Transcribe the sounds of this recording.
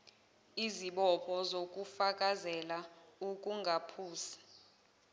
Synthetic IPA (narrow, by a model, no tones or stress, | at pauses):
iziɓɔpʰɔzokʼufakʼazɛlaukʼuŋɡʱapʰuːsi̥